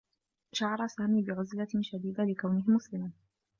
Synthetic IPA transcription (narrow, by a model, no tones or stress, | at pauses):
ʃɑʕɑɾˤɑsaːmiːbɪʕʊzlaʃad̪iːd̪alɪkawnɪɦɪmʊslɪman